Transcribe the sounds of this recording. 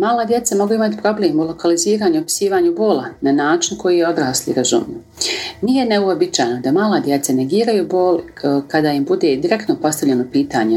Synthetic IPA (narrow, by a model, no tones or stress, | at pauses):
maːlad̪je̞t̪samo̞ɡuimat̪i̥pɾo̞bleːmulo̞kaliziːɾaːɲuopi̥siːʋaːɲubo̞ːlˠananaːt͡ʃinko̞jijeo̞d̪ɾaːslḭɾazṵmio | nijeneuobit͡ʃaːjno̞d̪amaːlˠad̪jet̪sane̞ɡiːɾajuboːl | kad̪aːimbud̪e̞ːd̪iɾe̞kt̪no̞po̞st̪aʋlʎenopiːt̪aːɲe